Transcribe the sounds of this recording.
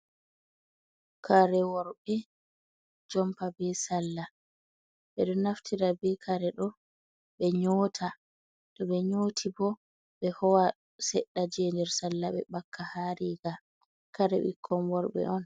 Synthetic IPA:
kʰaɾɛwɔɾbɛ | d͡ʒɔmpabɛsalːa | ɓɛɗɔnaftʰiɾabɛkʰaɾɛɗɔ | ɓɛɲoːtʰa | tɔɓɛɲoːtʰibɔ | ɓɛhɔwa | sɛɗːad͡ʒɛːndɛɾsalːaɓɛ̰bakʰːahaɾiːɡa | kaɾɛ̰wḭkʰːɔmwɔɾɓɛ̰ʔɔn

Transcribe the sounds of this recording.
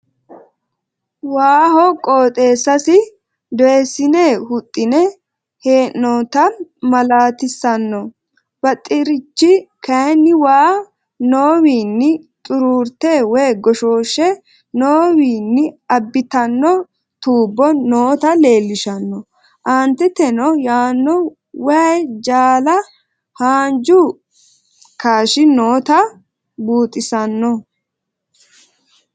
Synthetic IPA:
waːhɔkʼoːt̪ʼe̞ːsːɐsɪ | d̪ɔjɛsɪneːhʊt̪ʼːɪnɛ | heːʔnɔːt̪ɐmɐlaːt̪ɪsːɐnːɔ | bɐt̪ʼːɪɾɪt͡ʃːɪkɐjnːɪwaː | noːwiːnːɪt̪ʼʊɾuːɾt̪eːwɛjɡɔʃoːʃɛ | noːwiːnːɪɐbːɪt̪ɐnːɔ | t̪uːbːɔnoːt̪ɐle̞ːlːɪʃɐnːɔ | ʔaːnt̪ɛt̪ɛnɔjaːnːɔ | wɐjd͡ʒaːlɐ | haːnd͡ʒu | kaːʃɪnoːt̪ɐ | buːt̪ʼɪsɐnːɔ

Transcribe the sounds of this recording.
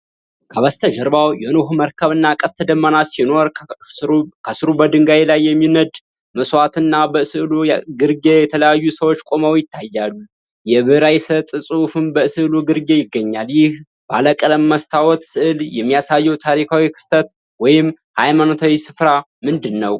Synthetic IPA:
kʰəβəst̪ʰəd͡ʒəɾbawjɛnoɦməɾkʰəβɨnːakʼəst̪ʰəd̪əmːənasino̞ɾ | kʰəsɨɾubəd̪ɨŋɡaelajːɛmːinəd̪ | məswat̪ɨnːabəsɨʔluɡɨɾɡejɛt̪ʰələjajːusəwot͡ʃːkʷʼo̞məwjɪt̪ʰːajːalːu | jɛβɨɾajsət̪ʼsʼufɨmbəɨsɨʔluɡɨɾɡe̞jɪɡːəɲːaljɪh | baləkʼələmːəst̪ʰawɔt̪sɨʔɨljɛmːijasajːɛwt̪ʰaɾikʰawikʰɨ̥st̪ʰət̪ | wɔjɪm | hajmanot̪ʰawisɨfɾa | mɨnd̪ɨnːəw

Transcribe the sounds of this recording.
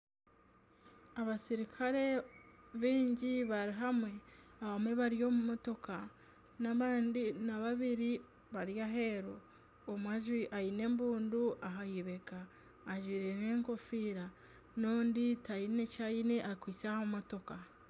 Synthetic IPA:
aβasiɾikʰaɾe̞βiːɲɟiβaɾiɦamwe̞aβamwe̞βaɾijo̞ːmumoto̞ka | naβaːndinaβaβiɾi | βaɾjaɦe̞ɾoː | mwaʒwiʔajine̞mbuːnduʔaɦajiβe̞kaː | ʒiːɾe̞ne̞ːŋko̞fiːɾa | noːnditajine̞cajineʔakwiːt͡sahomumoto̞ka

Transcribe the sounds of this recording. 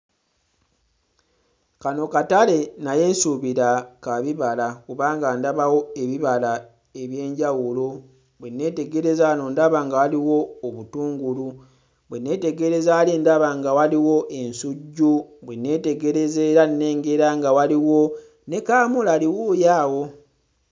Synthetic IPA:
kano̞katale̞naje̞ːnsuβiɾakaβiβalakuβaːŋɡandaβawo̞e̞βiβala | e̞βje̞ːɲɟawulo | bwe̞nːe̞ːte̞ɡe̞ɾe̞zano̞ndaβaŋɡawaliwo̞ːβutuːŋɡulu | bwenːe̞ːte̞ɡe̞ɾe̞zaːlindaβaŋɡawaliwo̞ʔe̞nsuɟːubwenːe̞te̞ɡe̞ɾe̞zeɾanːe̞ːŋɡe̞ɾaŋɡawaliwo̞ | ne̞kaːmulaliwujaːwo̞

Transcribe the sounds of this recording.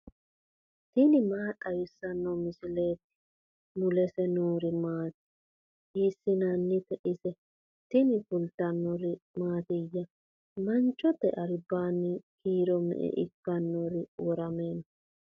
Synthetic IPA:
t̪ɪnɪmaːtʼːɐjʊsːɐnːɔmɪsɪleːt̪ːɪ̥ | nʊlɛsɛnoːɾɪmaːt̪ɪ̥ | hɪsːɪnɐnːɪt̪ɛʔɪsɛ | t̪ɪnɪfʊlt̪ɐnːɔɾɪmaːt̪ɪjːɐ | mɐnt͡ʃːɔt̪ːɛʔɐɾbːaːnːɪkiːɾɔmɛ̰ʔɛ̰ʔɪ̰kːɐnːɔɾɪwɔɾɐmeːnɔ

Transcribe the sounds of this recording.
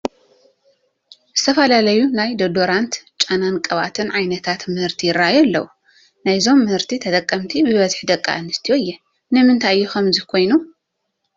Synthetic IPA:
zɨt̪ʰɐfɐlalɐjunajd̪ɐd̪oɾant̪t͡ʃʼanankʼɐβa̰t̪ʰɨnʕajnɐt̪ʰat̪mɨhɨɾt̪ʰijɪɾːajalːɐwu | najzo̞mːɨhɨɾt̪ʰit̪ʰɐt̪ʼɐkʼːɐmt̪ʰibɨβɐzħd̪ɐkʼːa̰ʔanɨst̪ʰijoɨjːɛ | nɨmɨnt̪ʰajjːukɐmzikʰo̞jnu

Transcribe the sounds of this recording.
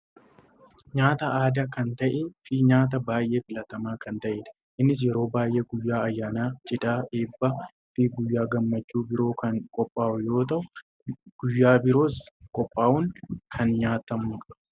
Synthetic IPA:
ɲaːt̪ɐʔaːd̪akɐnt̪ɐʔefɪɲaːt̪̬ɐbaːjʔe̞ːfɪlɐt̪ɐmaːkɐnt̪ɐʔeːᶑɐ̥ | ʔɪnːɪs̬jɛɾo̞ːbaːjʔe̞ːɡʊjːaːɐjːaːnaːt͡ʃʼɪd̪aːʔeːbːɐ | fɪɡʊjːaːɡɐmːɐt͡ʃːuːbɪɾo̞ːkɐŋkʼɔpʼːaːʔʊjo̞ːt̪̬ɐʔʊ | ɡ̥ʊjːaːbɪɾo̞ːskʼɔpʼːaːʔuŋkʰɐnɲaːt̪ɐmʊᶑɐ

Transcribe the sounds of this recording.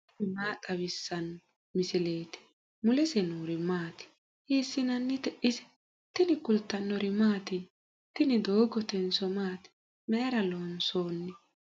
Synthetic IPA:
ɪmaːt̪ʼɐwɪsːɐn | mɪsɪle̞ːt̪ɪ̥ | mʊlɛsɛnuːɾɪmaːt̪ɪ̥ | heːsːɪnɐnːɪt̪ɛʔɪsɛ̥ | t̪ɪnɪkʊlt̪ːɐnːɔɾɪmaːt̪ɪ | t̪ɪnɪd̪oːɡɔt̪ɛnsɔmaːt̪ɪ̥ | meːɾɐloːnso̞ːnːɪ

